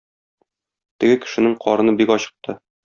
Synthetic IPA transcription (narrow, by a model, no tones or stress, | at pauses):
t̪ɘ̆ɡɘkɘ̥̆ʃɘ̆nɘŋqʰɒɾɤ̆nɤbikɒɕɤ̥̆q̚t̪ɤ